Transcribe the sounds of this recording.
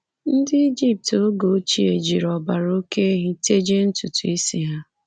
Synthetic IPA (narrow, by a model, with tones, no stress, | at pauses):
n̩˦dɪ˦i˦d͡ʒi˦p̚to˦ɡo˨˦t͡ʃi˦e˨d͡ʒi˨ɾɔ˨ba˨ɾo˦ke˦ɦi˦te˦d͡ʒe˦n̩˦tu˨tu˨i˦si˨ɦa˦